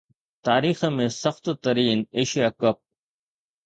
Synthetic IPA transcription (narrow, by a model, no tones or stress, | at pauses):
t̪aːɾiːxemẽsɐxt̪t̪ɐɾiːneːʃijaːkəp̚